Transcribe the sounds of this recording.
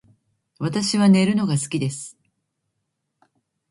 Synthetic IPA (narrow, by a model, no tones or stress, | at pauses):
βat̪aɕiβane̞ɾɯ̟no̞ɡasɨ̥kʲid̪e̞sɨ̥